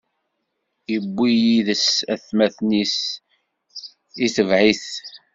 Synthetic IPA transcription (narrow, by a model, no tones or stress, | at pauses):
jəbːijiðəsæθmæθnis | iθəvʕiθ